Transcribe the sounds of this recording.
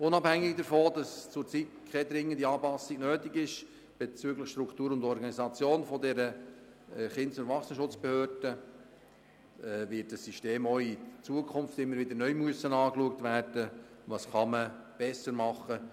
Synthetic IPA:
ʊnɑphæŋːɪɡ̚dəɾfoːd̥ɑst͡sʊɾt͡sitkʰχɛdɾɪŋːəndiɑːpɑsiɡ̥nøːtiɡɪʃ | b̥et͡syːɡləχʃt̪ɾʊkʰtuːɾʊndɔɾɡɑnizɑt͡sjoːnfɔdɛɾə | ɛχɪntsʊntvɑχsnəʃʊt͡sb̥ehøːrd̥ə | ɛvɪt̚d̥əsːiʃteːmɔit͡suəkʰʊnftɪmːəɾʋɪd̪əɾnœʏmyəsənɑːkluək̚tʋæːrd̥ə | ʋɑsχɑmə | b̥ɛsəɾmɑχə

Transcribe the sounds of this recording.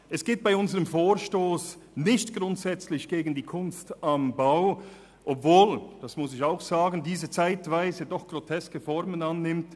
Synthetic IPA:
ʔɛsɡ̥eːt̚b̥aɪʊnzəʁəmfoːɾʃtoːsnɪçtɡ̥ʁʊntz̥ɛt͡slɪçɡ̥eːɡən̩diːkʰʊnstambaʊ | ʔɔpv̥oːld̥asmʊs̬ɪçaʊxz̥aːɡn̩diːzət͡saɪtv̥aɪzədɔχɡ̥ʁotʰɛskəfɔɾmənanːɪmt

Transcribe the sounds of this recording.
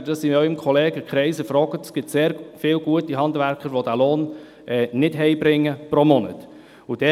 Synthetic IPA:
d̥ɑsiœʏəmkʰɔleːɡəkχɾɛɪsəfɾɔːɡətəsɡ̥ɪtseːɾfɪːlɡuətiɦɑnd̪ʋæɾkχəɾʋodæːloːn | ʔɛːnɪdɦɛɪbɾɪŋːəpɾomɔnə̰t | ʊd̥ɛ

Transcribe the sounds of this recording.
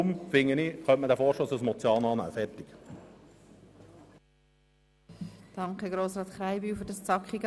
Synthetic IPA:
mfɪŋːəniχœntməd̪æfoːɾʃtoːsasmɔt͡sjɑːnɑːnæ̰ːfɛɾt̪ɪk | d̥ɑŋkχəɡɾoːsɾɑːt̪χɾaɪbyːfʏɾdɑst͡sɑkχiɡ

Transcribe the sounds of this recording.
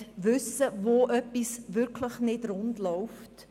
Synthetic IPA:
ʋʏsəvoʔœpːisʋʏɾkʰləχnɪdɾʊndlɔʊft

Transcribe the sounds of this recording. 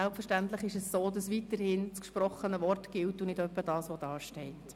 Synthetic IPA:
ɛlpfəɾʃtæntlɪχɪʃɛssoːdɑsvitəɾhɪnt͡skʃpɾɔχənəvɔrtɡ̥ɪltʊnɪdœpːəd̥ɑːsʋɔd̥ɑːʃtɛɪt

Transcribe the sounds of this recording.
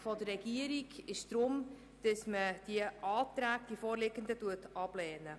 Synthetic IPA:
fɔd̥ərːɛɡ̥iəɾiɡɪʃd̥ɾʊm | d̥əsməd̥iəʔɑːtɾæːɡ̚d̥ifɔːɾlɪɡəndətuətɑb̥lɛːnə

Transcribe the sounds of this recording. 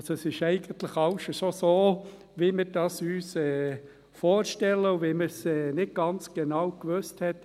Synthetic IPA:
soɛsɪʃɛɪɡ̥əntlɪχɑʊʃɔsosoː | vimɪɾd̥ɑsyːsɛː | foːʃtɛləʊviməsɛːnɪd̚ɡ̥ɑnt͡sɡ̥enɑwkʋøsthɛt

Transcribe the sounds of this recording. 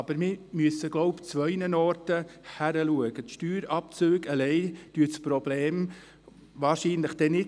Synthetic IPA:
ɑbəɾmɪmyəsəɡlɔʊpt͡sʋœɪnənɔɾtəhæɾəluəɡ̥əʃtyːɾɑpt͡søːɡəlɛɪd̥yət͡spɾɔbleːm | vɑːɾʃiːnləχd̥ɛnɪ

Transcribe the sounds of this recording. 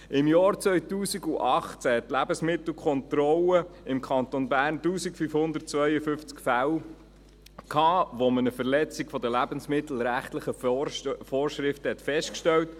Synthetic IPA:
ɪmjɑːɾt͡sʋœjt̪uːsiɡuʔɑχt͡sæɛt̪ːlæbəsmɪt̪l̩kʰɔnt̪ɾɔləɪmkʰχɑnt̪onbæːɾntuːsikfyfhʊnd̪ərt̚t͡sʋœjəfʏft͡skfæw | kʰɑːʋomənəfəɾlɛt͡sikfɔd̪əlæbənsmɪt̪l̩ɾæχt̪ləχə | fɔːrʃɾɪft̪əhɛt̪fɛsʃtkʃtɛwt

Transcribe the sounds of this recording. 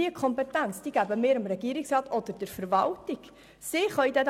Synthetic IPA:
iəkʰɔmpɛtænt͡sd̥iɡ̥æbəmɪːɾəmɾɛɡ̥iəɾɪksrɑːt̪ɔd̪̥əɾd̥ɛɾfəɾvɑltiɡ | sɪχœjd̪ɛd

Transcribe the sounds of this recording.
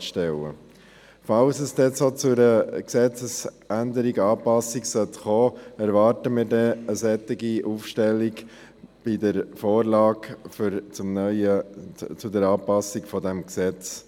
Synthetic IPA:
ʃtɛlə̰ | fɑlsɛsd̥̪ɛt͡soːt͡sʊɾəksɛt͡səs | ænd̪əɾiɡɑːpɑsiksœt̪χoːɛɾvɑːɾtəmiːɾdɛəsɛt̪ːiɡiʔuːfʃtɛlːiɡ | b̥idəɾfoːɾlɑːɡft͡sʊmnœʏət͡sʊdɛɾɑːpɑsikfɔdɛmksɛt͡s

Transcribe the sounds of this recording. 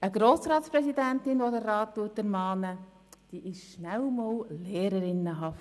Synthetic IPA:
əɡ̥ɾoːsɾɑːtspɾɛsidæntɪnʋodərɑːttuətæɾmɑːnə | d̥iːʔɪʃʃnæwmɔlleːɾəɾɪnːəɦɑft

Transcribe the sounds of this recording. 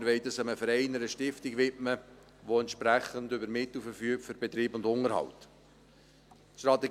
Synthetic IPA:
ɾvɛɪtəsəməfəɾɛɪnəɾəʃtɪftɪɡʋɪtmə | ʋoɛntʃpɾæχəndʏbəɾmɪt̪lfəɾfyːk̚tføɾbɛt̪ɾiːbʊndʊŋəɾhɑ̰wt | ʃtɾɑt̪ːɛɡ

